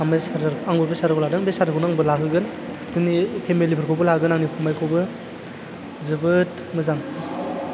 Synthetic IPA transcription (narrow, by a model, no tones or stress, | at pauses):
amesaɾɾaŋbɯbesaɾɯkladɯŋbesaɾɯkʰunaŋbɯlakʰɯɡɯn | zɯnipʰemelipʰɯɾkʰowbɯlaɡɯnaŋnipʰumajkʰowbɯ | zɯbɯt | mɯzaŋ